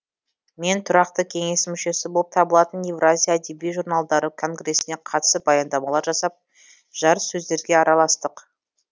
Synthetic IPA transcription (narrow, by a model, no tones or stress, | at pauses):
me̞nt̪ʰʊɾɑq̚t̪əkʲʰe̞ŋe̞smʏʃe̞sɪbolˠəp̚t̪ʰɑbəlˠɑt̪ənje̞vrazʲijaːd̪ebijʒuɾnalˠd̪ɑɾəkʰo̞ŋɡre̞sɪne̞qʰɑt̪ə̥səbɑjɑnd̪ɑmɑlˠɑɾʒɑsɑp̚ | ʒ̥ɑɾəssɵzd̪e̞ɾɡʲe̞ɑɾɑlˠɑst̪əq